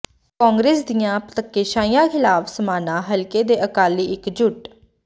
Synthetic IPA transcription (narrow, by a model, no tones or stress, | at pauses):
kɔːŋɡɾeːsd̪ijãːpət̪əkːeːʃaːĩjãːkʰɪlaːpʰsəmaːnãːɦəlkeːd̪eːʔəkaːliːɪkd͡ʒʊʈ